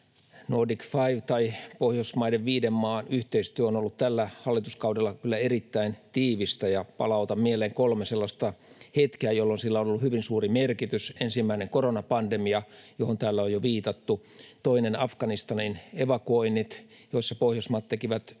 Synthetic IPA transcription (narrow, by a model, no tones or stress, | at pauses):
noːdikfɑiʋt̪ɑipohjosmɑideʋʋiːdemːɑːnyht̪eist̪yøonolːut̪t̪ælːæhɑlːit̪uskɑudelːɑkylːæerit̪ːæint̪iːʋist̪æjɑpɑ̰lɑut̪ɑmmieleːŋkolmeselːɑst̪ɑhet̪keæjolːonsilːæonolːuhyʋinsuːrimerkit̪ysensimːæineŋkoronɑpɑndemiɑjohont̪æːlːæojoʋiːt̪ɑt̪ːu | t̪oinenɑfkɑnist̪ɑnineʋɑkuoinːit̪ | joisːɑpohjosmɑːt̪t̪ekiʋæt̪